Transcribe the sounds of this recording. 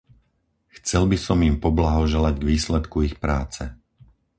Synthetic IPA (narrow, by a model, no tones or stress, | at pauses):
xt͡sɛlbisɔmjimpɔblaɦɔʒɛlaɟɡʋiːslɛt̪kuixpɾaːt͡sɛ